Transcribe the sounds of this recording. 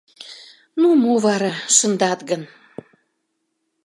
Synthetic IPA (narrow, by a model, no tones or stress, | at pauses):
numoβɑɾɑʃə̆nd̪ɑt̪ɡən